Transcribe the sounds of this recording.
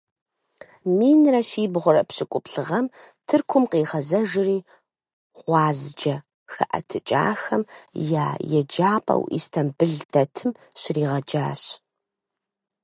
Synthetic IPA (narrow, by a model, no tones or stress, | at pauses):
miːnrɐɕiːbʁʷʊɾɐpɕɪkʷʼʊpɬɨʁɐm | tʰɨrkʷʰʊmqiːʁɐzɐʒɨriː | ʁʷɑːzd͡ʒɐ | xɐ̰ʔɐ̰tʰɨt͡ʃʼa̰ːxɐmjaːjɛd͡ʒaːpʼɐ̰wʔḭstʰɐmbɨɮdɐtʰɨm | ɕɪriːʁɐd͡ʒaːɕ